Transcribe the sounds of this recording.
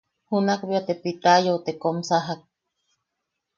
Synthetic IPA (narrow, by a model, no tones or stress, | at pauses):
hunakbiat̪epit̪ajot̪ekomsaɦak̚